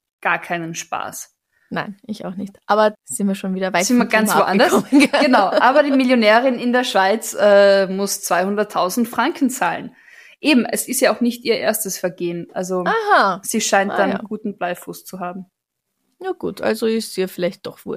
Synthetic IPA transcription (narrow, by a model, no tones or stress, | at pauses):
ɡ̥aːɐkʰaɪnənʃpa̰ːs | naɪnʔɪça̰ʊxnɪçtʔaːbɐz̥ɪntviːɐʃoːnviːdɐvaɪɪmaɐɡant͡svoːʔanndɐɔmənɡɡ̥ənaʊʔaːbɐdiːmiljonɛːʁɪnɪndeːɐʃv̥aɪt͡sʔɛːmʊst͡sv̥aɪhʊndɐtʰaʊzn̩tfʁ̥aŋkn̩t͡saːln | ʔeːbm̩ʔɛsɪstjaːaʊxnɪçtʔiːɐʔḛːɐstəsfɛɐɡeːənʔa̰lzoahaz̥iːʃaɪntd̥anɡ̥uːtn̩b̥laɪfʊst͡suɦaːbm̩ | jaɡ̥ṵːtʰʔa̰lzoɪstiːɐfɪlaɪçt̚d̥ɔχv̥ṵɐ